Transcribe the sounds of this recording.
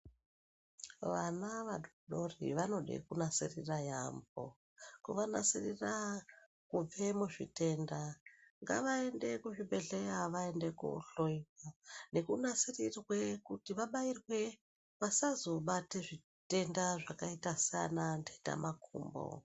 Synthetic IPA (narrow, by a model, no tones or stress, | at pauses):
ʋanaʋaɗoɗorḭʋano̞ɗḛkunasiriraja̰mbo̰ | kuʋana̰sirira | kub͡ve̞muʐḭte̞ndaŋɡaʋae̞nde̞kuʐiɓe̞ɮejaʋae̞ndekṵɬoiwane̞kunasirirwe̞kutiʋaɓairwe̞ | ʋasazo̞ɓateʐi | te̞ndaʐakaitasa̰nandeita̰makʰṵːmbo̰